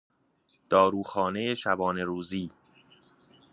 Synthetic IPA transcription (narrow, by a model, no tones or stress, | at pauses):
d̪̥ɒːɾuːxɒːne̞jeʃæbɒːne̞ɾuːziː